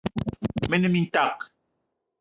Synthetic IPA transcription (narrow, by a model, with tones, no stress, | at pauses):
me˦ne˦mi˦n̩˦ta˦˨k